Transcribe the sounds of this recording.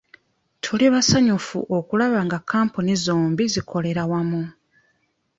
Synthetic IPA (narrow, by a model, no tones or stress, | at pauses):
tʰuliβasaɲufṵʔo̞kulaβaŋɡakʰːaːmpunizoːmbizikʰo̞le̞ɾawamu